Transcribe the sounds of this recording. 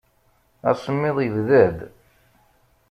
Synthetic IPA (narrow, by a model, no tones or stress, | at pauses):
æ̰sˤəmːɪðˤivðæd̪